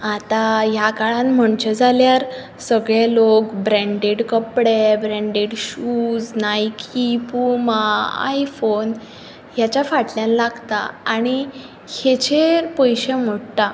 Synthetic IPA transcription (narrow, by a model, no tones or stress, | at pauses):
at̪ãjakaɭanm̤əɳt͡ɕed͡zaljaɾ | səɡɭelokbɾɛ̃ɳɖeɽkəpɽebɾɛ̃ɳɖeɽɕud͡znajkʰipumãa̰jfon | jat͡ɕjafaʈljãnlaɡt̪a̰aɽ̃i | het͡ɕeɾpɔjɕem̤oɽt̪a